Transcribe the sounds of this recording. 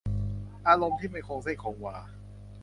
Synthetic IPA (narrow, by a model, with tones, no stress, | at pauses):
ʔaː˧ɾo˧mt̪ʰiː˥˩ma˧˩kʰo˧ŋsa˥˩kʰoː˨˦ŋwaː˧